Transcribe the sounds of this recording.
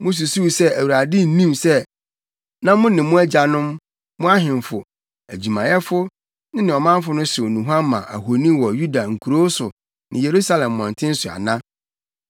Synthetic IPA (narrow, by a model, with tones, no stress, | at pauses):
mʊ̃˦s̬u˨su˦˨sɛ˦æ˨wu˨ɾa˨dɪ˦n̩˦nĩ˦msɛ˦ | nã˦mʊ̃˦nɪ̃˨mʊ̃˦æ˦d͡ʑa˨nʊ̃˦m | mʊ̃˦a˦ɦɪ̃˨mfʊ˨ | æ˨d͡ʑi˨mã˨jɛ˦fʊ˦ | nɪ̃˦nɪ̃˨ɔ˨mã˦m˦fʊ˦nʊ̃˦sɪ˨o˨nũ˨ɦã˦mːã̰˨ʔa̰˨ɦo˨nĩ˦wɔ˨ju˦da˨ŋ̩˨kʰu˨ɾo˦sʊ˨ | nɪ̃˨je˨ɾu˦sa˦lɛ̃˨mːɔ̃˨n˨tʰɪ̃˦n̩˦sʊ˨a̰˨nã˦